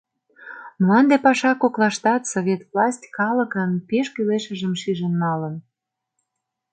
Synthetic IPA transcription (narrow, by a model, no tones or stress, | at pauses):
məlɑnd̪epɑʃɑkoklɑʃt̪ɑt̪soβʲet̪vlɑsʲtʲkɑlə̆kənpeʃkyleʃə̆ʒə̆mʃiʒənːɑlən